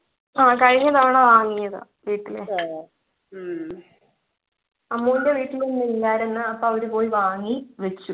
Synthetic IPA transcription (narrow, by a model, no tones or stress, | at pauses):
aːkɐɻiɲːɐðaʋɳɐʋaːŋːijɐðɨ̰ | ʋiːʈːilḛ | ɐmːuːinde̞ʋiːʈːilenːilːaːɾenːɨɐpːoɐʋɐɾupo̞ːjiʋaːŋːiʋet͡ɕːu